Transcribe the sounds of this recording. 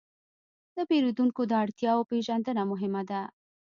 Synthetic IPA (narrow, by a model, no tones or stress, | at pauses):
d̪əpeɾod̪uŋkod̪əaɽt̪jɑopeʒand̪ənamʊɦɪmad̪a